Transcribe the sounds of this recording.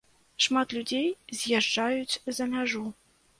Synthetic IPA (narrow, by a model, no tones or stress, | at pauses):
ʃmɑt̪lʲudʲejzjeʒːɑjut͡sʲɘ̆zæ̆mʲæʒu